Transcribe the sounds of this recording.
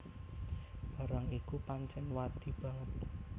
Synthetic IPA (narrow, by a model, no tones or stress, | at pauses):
b̥a̤ɾaŋikupaɲt͡ʃɛnwad̪̥i̤b̥ä̤ŋət̪̚